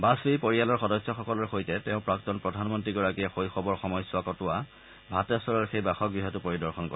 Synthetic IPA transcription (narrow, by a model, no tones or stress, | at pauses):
basijpoɹialɔɹxɔdɔsjɔxɔkɔlɔɹxojtɛtɛʊ̃pɹaktɔnpɹɔdʱanmɔntɹiɡɔɹakijɛxojxɔbɔɹxɔmɔjsʊakɔtʊwa | bʱatɛsɔɹɔɹxejbɛxɔk̚ɡɹiɦɔtʊpoɹidɔɹxɔnkɔ̰ɛ